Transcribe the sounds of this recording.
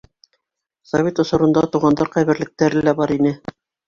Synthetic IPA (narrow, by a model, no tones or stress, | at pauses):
sɐvʲet̪ŏsŏɾɤ̆nd̪ɑt̪uʁɑnd̪ɑɾqæjβɘ̆ɾlɘ̆k̚t̪æɾɘlæbɑɾinɘ